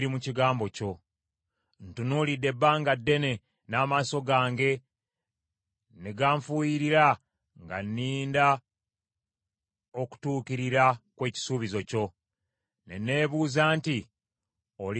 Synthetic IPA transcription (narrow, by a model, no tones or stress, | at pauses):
ɾimuciɡaːmbo̞co̞ | n̩tunuːlidːe̞bːaːŋɡadːe̞ne̞ | naːmaːso̞ɡaːŋɡe̞ | neɡaːɱfuːjiɾiɾa | ŋɡa̰nːiːnda | o̞ku̥tuːkiɾiɾakwe̞ːci̥suːβizo̞co̞ | ne̞̰ne̞ːβuːzaːnti | ol